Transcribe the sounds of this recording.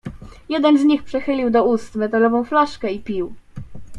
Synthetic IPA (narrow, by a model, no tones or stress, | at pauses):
jɛd̪ɛnzɲixpʂɛxɘlʲiwd̪ɔust̪mɛt̪alɔvɔ̃w̃flaʂkɛipʲiw